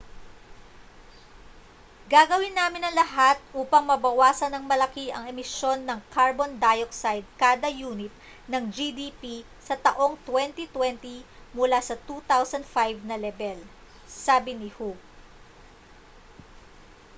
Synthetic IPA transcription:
ɡaɡɐwɪnːaːmɪnɐŋlɐɦat̪̚ʔuːpɐŋmɐbɐwaːsɐnɐŋmɐlɐkiʔɐŋɛmɪʃo̞nːɐŋkaɹbond̪ajoksajd̪̚kaːd̪ɐjuːnɪt̪̚ | nɐŋd͡ʒid̪ipi | sɐt̪ɐʔo̞ŋt̪wɛnt̪it̪wɛnt̪i | mʊlasɐt̪ut̪awsɐnd̪fajvnɐlɛbɛl | saːbɪnɪhuk

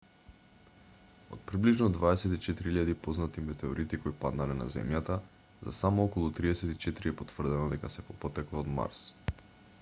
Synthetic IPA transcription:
o̰t̪̚pɾibliʒnɔd̪vaɛsɛt̪it͡ʃɛt̪iɾiiʎad̪ipoznat̪imɛt̪ɛoɾit̪ikoipad̪nalɛna̰zɛ̰mjat̪a | za̰samɔɔkɔlˠut̪ɾiɛsɛt̪it͡ʃɛt̪iɾiɛpot̪v̥r̩d̪ɛnod̪ɛkasɛpopɔt̪ɛklˠaod̪ma̰ɾs

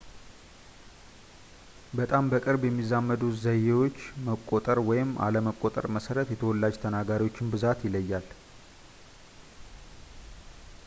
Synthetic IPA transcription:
bət̪ʼambəkʼɨɾbjɛmːizamːəd̪uzəjewo̞t͡ʃːməkʼːot̪ʼəɾwɔjɪmʔa̰ləməkʼot̪ʼə̰ɾməsəɾət̪jɛt̪ʰəwɔlːad͡ʒt̪ʰənaɡaɾiwo̞t͡ʃːɪnbɨzat̪jɪləjːal

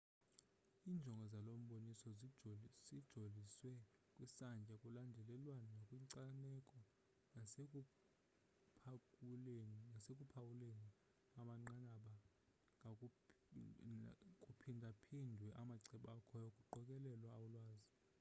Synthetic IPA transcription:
iːnd͡ʒʱɔŋɡʱɔzalom̩ɓonisɔ | zid̥ʒ̥ʱoliswɛkʼwisand͡ʒʱʼakʼulandʱɛlɛlwananakʼwiŋǀanɛkʼɔ | pʰ | nasekʼupʰawuleni | aɓaŋ͡ǃanaɓa | ŋ | kʼupʰindʱapʰindʱwɛʔamaǀɛɓakʰɔjokʼuǃɔkʼɛlɛlwaːwulwaːzi

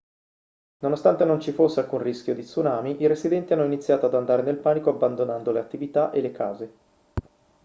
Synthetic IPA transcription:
nonost̪ant̪enont͡ʃifosːealkunriskjod̪it̪sunaːmiʔiɾezid̪ɛnt̪ianːoinit̪sːjaːt̪oad̪and̪aːɾenelpaːnikoabːand̪onand̪oleat̪ːivit̪aʔelekʰaːze

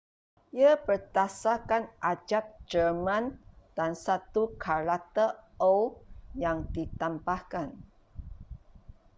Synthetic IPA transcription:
jəpərt̪asakanʔad͡ʒap̚d͡ʒərmãnd̥ansat̪ukʰaɾat̪əowjaŋdit̪ambahkan

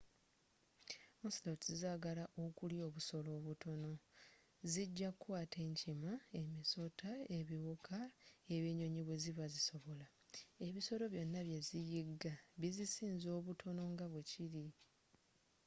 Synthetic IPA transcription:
muslotizaːɡalaʔokuljo̞ːβuso̞lo̞ːβutʰo̞no̞ | ziɟːakwaːtʰe̞ːɲcimae̞miso̞tʰae̞βiwukʰaeβeɲo̞ɲiβwe̞ziβaziso̞βo̞la | e̞βiso̞lo̞βjo̞nːaβje̞zijiɡaβizisiːnzo̞ːβutʰo̞no̞ŋɡaβwe̞ciɾi

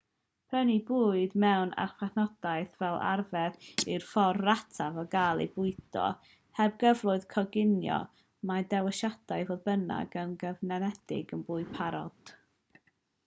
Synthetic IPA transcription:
pʰənibuːɨdmɛwna̰rχwɛθnɔd̥ajθvɛlˠa̰rvɛðirfɔrratʰavɔɡaːlˠḭbʊɨdɔ̰ | hɛb̚ɡəvlˠʊɨðkʰɔɡɪnjɔ̰ | madɛwəʃad̥ajvoːðbəna̰ɡənɡəvnɛnɛd̥ɪ̰ɡənbuːɨpʰaɾɔ̰d̥

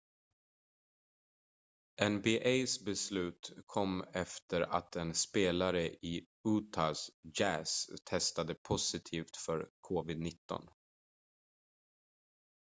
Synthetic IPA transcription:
ʔɛnbɪʔejsbɛslʉ̟ːt̪kʰɔmːɛft̪əɾa̰t̪ʰɛnspeːlaɾəʔɪ | uːt̪ʰasjæːst̪ʰɛst̪ad̪əpʰʊsɪt̪ʰiːft̪fœɾkʰɔːvɪd̪nɪt̪ːɔ̰n

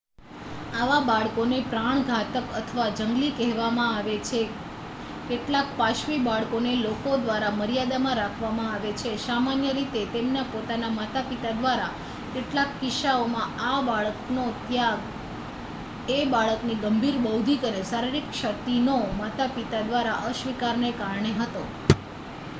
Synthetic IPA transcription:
aʋabaɭkonepɾaɳ̃ɡʱat̪əkət̪ʰəʋad͡ʒəŋɡlikɛɦʋamãaʋet͡ʃʰe | keʈlakpaʃʋibaɭkonelokod̪ʋaɾaməɾijad̪amãɾakʰʋamãaʋet͡ʃʰesamanjəɾit̪et̪emnapot̪anamat̪apit̪ad̪ʋaɾa | keʈlakːɪʃaomãabaɭəknot̪jaɡ | ebaɭəkniɡəmbʱiɾbəwd̪ʱikəɾesaɾiɾikʃək̚t̪inomat̪apit̪ad̪ʋaɾaʔəʃʋikaɾnekaɾɳeɦət̪o

